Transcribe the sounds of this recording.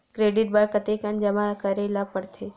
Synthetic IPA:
kɾeːɖɪʈ̚baɽkət̪ekənd͡ʒɐmakəɾelapəɽt̪ʰe

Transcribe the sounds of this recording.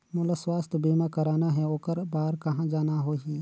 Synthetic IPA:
mʊləswaːst̪ʰbiːmakɐɾaːnaɦɛoːkəɾbaːɾkɐɦãd͡ʒaːnaɦoːɦiː

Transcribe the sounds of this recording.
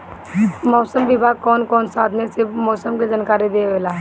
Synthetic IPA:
mɔːsəmʋɪbʱaːɡ̚kɔːnkɔːnsaːd̪ʱnesebmɔːsəmked͡ʒaːnkaːɾed̪eːʋelaː

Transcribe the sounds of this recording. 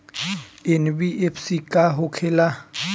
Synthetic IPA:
enbiefsikʼaɦʊkʰɛla

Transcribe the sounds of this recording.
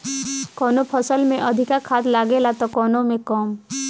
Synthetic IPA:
kɔnopʰɔsəlmẽʔʌd̪ʱikakʰad̪laɡelat̪ɔkɔnomẽkɔm

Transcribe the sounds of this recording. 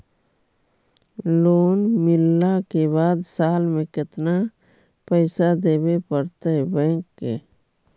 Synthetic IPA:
loːnmɪlːakebaːd̪saːlmẽkɪt̪na | pəɪsad̪eːbepəɾt̪aɦɛbɛ̃ːŋkːḛː

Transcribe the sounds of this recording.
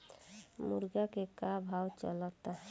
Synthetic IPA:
muɾɡakekabʱawt͡ʃɔ̰lɔt̪aɦ

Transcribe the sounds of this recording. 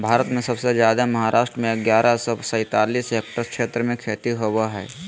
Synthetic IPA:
bʱaːɾət̪mẽsəbsed͡ʒjaːd̪aməɦaɾʔaːʃʈɾəmẽəɡjaːɾʔasɔsə̃ɪt̪aːliːsek̚ʈəɾkʃeːt̪ɾəmẽkʰeːt̪iɦowaɦɛ̰ː

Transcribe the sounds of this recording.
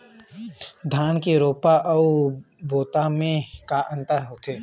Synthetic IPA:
d̪ʱaːnkeɾoːpaʔɐu | boːt̪amẽkaʔə̃nt̪əɾɦoːt̪ʰeː

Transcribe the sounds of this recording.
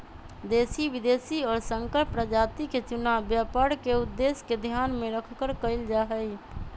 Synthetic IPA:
d̪eːsiʋɪd̪eːsiɔːɾsə̃ŋkəɾpɾəd͡ʒaːt̪iket͡ʃʊnaːbjaːpaːɽkeʊd̪ːeːsked̪ʱjaːnmẽɾəkʰkəɾkəɪld͡ʒaːɦəi

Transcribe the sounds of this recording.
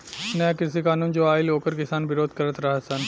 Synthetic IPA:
nɐjakɪɾsikaːnuːnd͡ʒoːaːɪloːkəɾkɪsaːnbɪɾoːd̪̚ʱkɐɾət̪ɾɐɦasɐn

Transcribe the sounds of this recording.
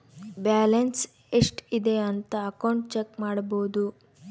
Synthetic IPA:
baːlɐns | eʂʈid̪e̞ɐnt̪ɐːkɐwɳʈt͡ʃekmaːɽboːd̪u

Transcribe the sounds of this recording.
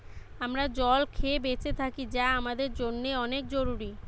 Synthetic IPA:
amɾad͡ʑɔlkʰebet͡ɕet̪ʰakid͡ʑaamad̪eɾd͡ʑonːeɔnek̚d͡ʑoɾuɾi

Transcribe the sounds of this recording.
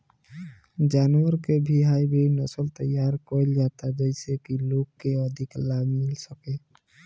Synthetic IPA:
d͡ʒanuaɾkebʱiɦajbejnɔsɔlt̪əjaɾkɔjld͡ʒat̪ad͡ʒɔjsekilokːeɔd̪ʱiklabʱmilsɔke

